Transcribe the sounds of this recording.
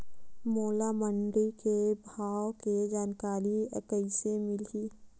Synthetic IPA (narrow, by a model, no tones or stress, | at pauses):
moːlaməɳɖɾikebʱaːwked͡ʒaːnkaːɾiəkəɪsemɪliː